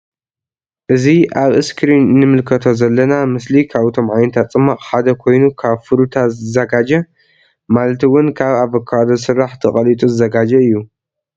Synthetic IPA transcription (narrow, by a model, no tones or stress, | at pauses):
ʔɨziaβɨskɾinːɨmɨlkʰɐt̪ʰo̞zɐlːɐnamɨslikʰaβɨt̪ʰo̞mʕajnɐt̪ʰat͡sʼɨmːaχʼħad̪ɐkʰo̞jnukʰaβfɨɾut̪ʰazɨzɐɡad͡ʒɐ | malɐt̪ʰwʊnkʰaβaβɐkʰːad̪os̬ɨɾːaħt̪ʰɐχʼɐlit̪ʼuzɨzɐɡad͡ʒɐɨjːu